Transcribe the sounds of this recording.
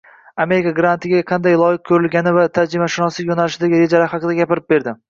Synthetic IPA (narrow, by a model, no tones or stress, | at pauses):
ame̞ɾɪkaɡɾant̪ʰɪɡʲaqʰɑnd̪ajlˠɒjɪq̚kʲʰɵɾɪlɡʲanɪvat̪ʰaɾd͡ʒɪmaʃɪnɒsɪjonalɪʃɪd̪aɡʲɪɾe̞d͡ʒalaɾhɑqɨd̪aɡʲapɪɾɪp̚be̞ɾd̪ɪ